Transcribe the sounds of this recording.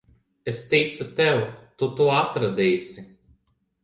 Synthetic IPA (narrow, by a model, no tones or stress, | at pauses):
est̪ʲɛjt̪sut̪ɛwt̪ut̪uɔat̪ɾad̪ʲɛːjsʲi